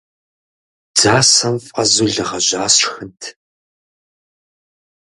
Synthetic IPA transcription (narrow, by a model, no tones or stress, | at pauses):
d͡zaːsɐmfʼɐzuɮɨʁɐʑaːsxɨntʰ